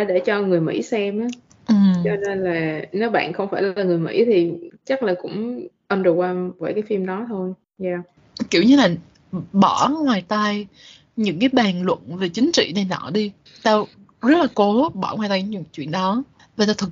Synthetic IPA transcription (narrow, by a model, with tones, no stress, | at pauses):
ɗe˧˩t͡ɕɔ˧ŋɨ˨˩əjmḭ˧˥sɛ˧mʔa˨˦ | ʔɨ˨˩mt͡ɕɔ˧ne˧nlaː˨˩ne˨˦wɓa̰ː˧˨nxə˧wŋ͡mfaː˧˩jllaː˨˩ŋɨ˨˩əjmḭ˧˥t̪ʰi˨˩t͡ɕa˦˥k̚laː˨˩kʊ̰˧˥ŋ͡mʔə˧nzo˨˩waː˧vəː˨˦jkaː˨˦jfi˧mɗɔ˨˦t̪ʰo˧j | jaː˧˩ | ki˧˩əwɲɨ˧laː˨˩ | ɓɔ˧˩ŋwaː˨˩jt̪a˧j | ɲɨ̰˧˥ŋkaː˨˦jɓaː˨˩nlwə̰˧˨nve˨˩t͡ɕï˨˦ŋ̟t͡ɕḭ˧˨nə˨˩jnɔ̰ː˧˩˨ɗi˧ | t̪aː˧ | zə˦˥t̚laː˨˩ko˨˦ɓɔ˧˩ŋwaː˨˩j̪t̪a˧jɲ˧ɲɨ̰˧˥ŋ˦t͡ɕwi˧˨ənɗɔ˨˦ | va˨˩t̪aː˧t̪ʰɨ˨˩k̚